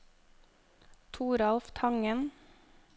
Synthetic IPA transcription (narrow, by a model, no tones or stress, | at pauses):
t̪ʰuːɾɑlft̪ʰɑŋən